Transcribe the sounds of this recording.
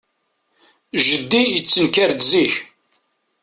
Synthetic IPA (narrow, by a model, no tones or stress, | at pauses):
ʒəd̪ːijət͡sːənkæɾd̪ziç